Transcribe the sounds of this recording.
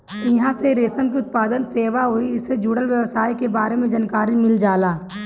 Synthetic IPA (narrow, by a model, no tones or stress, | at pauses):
ɪɦãseɾeːsəmk̬iʊt̪̚paːd̪ənseːʋaɦuiɪsed͡ʒuːɽəlʋjəʋsaːikebaːɾemẽd͡ʒankaːɾimɪld͡ʒaːlaː